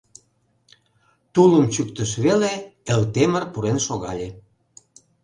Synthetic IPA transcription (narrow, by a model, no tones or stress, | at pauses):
t̪uləmt͡ɕyk̚t̪əʃβeleelt̪emərpuɾenʃoɣɑ̰lʲe